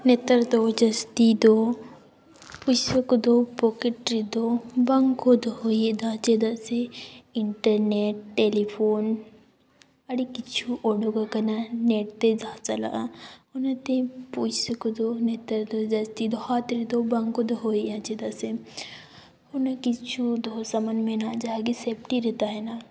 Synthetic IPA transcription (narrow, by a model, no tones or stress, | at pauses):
net̪əɾd̪od͡ʒɐst̪id̪o | pujsəkod̪opokeʈɾid̪obɐŋɡkod̪oɦoːjed̪ad͡ʒed̪aseɪɳʈəɾneʈːeːlipʰoːn | ɐɽikit͡ʃʰuʔoːɖoɡakɐnaneːʈt̪ed͡ʒaːt͡ʃɐla̰ʔonɐt̪ẽpuːsekud̪onet̪ɐɾd̪od͡ʒɐst̪id̪oɦat̪ɾid̪obɐŋɡod̪oɦoːijãt͡ʃed̪ase | honɐkit͡ʃʰud̪ʱoːsɐmɐnmenad͡ʒaːɡiseːp̚ʈiɾɛt̪aɦɛna